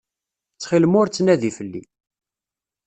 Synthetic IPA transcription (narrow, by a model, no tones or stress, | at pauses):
t͡sːχilmʊɾt͡sːnæðifəlːḭ